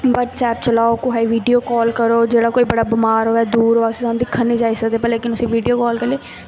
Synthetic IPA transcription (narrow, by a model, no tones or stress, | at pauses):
ʋəʈsɛːpt͡ʃəlaːokoɦaiʋiːɖijoːkɔːlkəɾoːd͡ʒeːɽaːkoːiːbəɽaːbɪmaːɾɦoːɛːd̪uːɾɦoːasisañːd̪ikʰənːĩːd͡ʒaːiːsəkd̪eːpɛleːkɪnʊsĩːʋiːɖijoːkɔːlkəɾleː